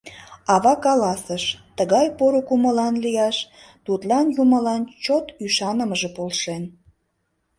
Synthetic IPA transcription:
ɑβɑkɑlɑsəʃt̪əɣɑjpoɾokuməlɑnlijɑʃ | t̪ut̪lɑnjuməlɑnt͡ɕot̪yʃɑnəməʒe̽polʃen

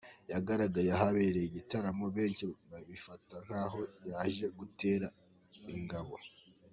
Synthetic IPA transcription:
jaɡaɾaɡajaɦaβeɾeiɟitaɾamoβe̞ːnt͡ʃibaβifataŋ̥haːɦo̞jaːʒe̞ɡute̞ːɾa | iŋɡaβo̞

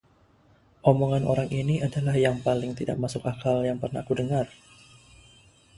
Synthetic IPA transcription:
ʔomoŋanʔo̰ɾaŋʔiniʔadalahjaŋpalɪŋt̪ida̰ʔ̚masʊkakaljaŋpərna̰hkudəŋar

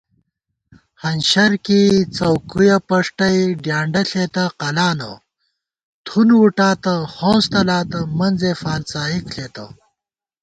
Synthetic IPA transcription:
hɐnɕɐɾkit͡sɐwkujɐpɐʂʈɐjɖjaːɳɖɐɬeːt̪ɐqɐlaːnɐ̰ | t̪ʰunwuʈaːt̪ɐhõːst̪ɐlaːt̪ɐmɐnzefaːlt͡saːikɬeːt̪ɐ

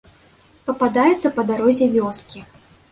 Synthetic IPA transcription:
pɐpad̪ajɛt̪sːɐpɐd̪aɾɔzʲɛvʲɔskʲi

